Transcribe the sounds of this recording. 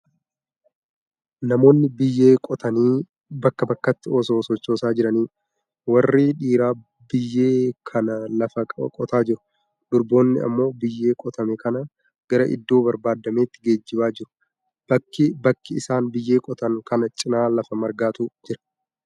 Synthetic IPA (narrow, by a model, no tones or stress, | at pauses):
nɐmo̞ːnːɪbɪjːe̞ːkʼɔt̪ɐniː | bɐkːɐbɐkːɐt̪ːɪoːso̞ːsɔt͡ʃːo̞ːsaːd͡ʒɪɾɐniː | wɐrːiːᶑiːɾaː | bɪjːe̞ːkʰɐnɐlɐfɐkʼɔt̪aːd͡ʒɪɾʊ̥ | d̪̥ʊɾbo̞ːnːɪ̰ɐ̰mːo̞ːbɪjːe̞ːkʼɔt̪ɐmɛkɐnɐ | ɡ̥ɐɾɐʔɪ̰d̪ːo̞ːbɐɾbaːd̪ːɐme̞ːt̪ːɪɡe̞ːd͡ʒːɪbaːd͡ʒɪɾʊ̥ | b̥ɐkːɪbɐkːɪɪsaːnbɪjːe̞ːkʼɔt̪ɐŋkɐnɐt͡ʃʼɪnaːlɐfɐmɐɾɡaːt̪uːd͡ʒɪɾɐ̥